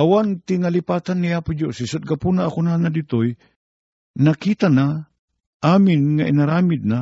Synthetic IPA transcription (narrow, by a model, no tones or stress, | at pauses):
awant̪ɪnalɪpaːt̪anːɪaːpʊd͡ʒoːsɪsat̪̚ɡapunaʔakʊnanad̪ɪt̪oj | nɐkiːt̪ana | ʔaːmɪnŋaʔɪnaɾaːmɪd̪̚na